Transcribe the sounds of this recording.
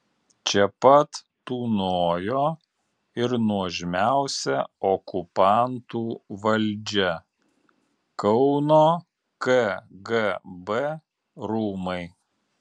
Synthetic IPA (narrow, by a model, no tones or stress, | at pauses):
t͡ʃʲɛpɐt̪ː | uːnoːjoː | ɪɾnuɔʒʲɪmʲæˑʊsʲɛɔkʊpɑˑnt̪uːʋɐlʲd͡ʒʲɛ | kɐʊnoː | kɛɡɛbɛ | ɾuːmɐɪ